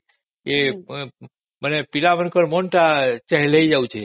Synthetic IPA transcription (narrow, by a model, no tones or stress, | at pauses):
ke | mənepilamənkəɾmonʈat͡ʃəɦɛləid͡ʒaũt͡ʃʰe